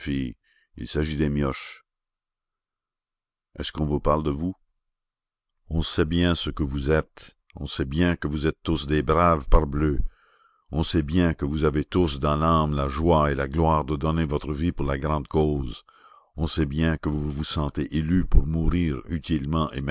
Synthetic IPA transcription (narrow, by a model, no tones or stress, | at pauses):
fi | ḭlsaʒid̪emjɔʃ | ɛ̰skɔ̃vupaʁld̪əvu | ɔ̃sɛbjɛ̃səkəvuzɛt̪ | ɔ̃sɛbjɛ̃kəvuzɛt̪ːusd̪eːbʁavpaʁblø | ɔ̃sɛbjɛ̃kəvuzavet̪usd̪ɑ̃lãmlaʒwaelaɡlwaːʁd̪əd̪ɔnevɔt̪ʁəvipuʁlaɡʁɑ̃d̪koːz | ɔ̃sɛbjɛ̃kəvuvusɑ̃t̪eʔelypuʁmuʁiːʁyt̪ilmɑ̃ʔḛmɛ